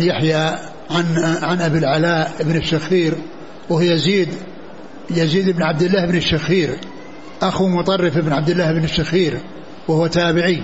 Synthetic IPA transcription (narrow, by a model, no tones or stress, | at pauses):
jaħja | ʕanʕanʔabilʕalaːʔɪbnɪʃːaxiːɾ | wɪhjaziːd̪ | jaziːd̪ɪbnʕab̚d̪ɪlːaːhɪbnɪʃːaxiːɾ | ʔaxumʊt̪ˤɑrˤːɪfʔɪbnʕab̚d̪ɪlːaːhɪbnɪʃːaxiːɾ | wahwat̪aːbɪʕi